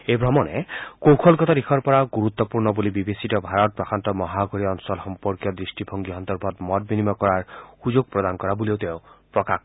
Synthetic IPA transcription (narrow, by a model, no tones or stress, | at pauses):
ebɾɔmɔnḛkokʰɔlkɔt̪aɾikʰɔɾpɔɾaɡuɾut̪ːɔpuɾnɔbulibibesitɔbʱaɾɔt̪̚pɾɔkʰant̪ɔmɔɦaɡʱɔɾiɔnsɔlxɔmpɔɾkjɔd̪ɾisʈibʱɔŋɡiɔnt̪ɔɾbʱɔt̪mɔd̪̚binimɔkɔɾaɹhud͡ʒoɡ̚pɾɔd̪ankɔɾabuliewt̪ewpɾɔkakʰ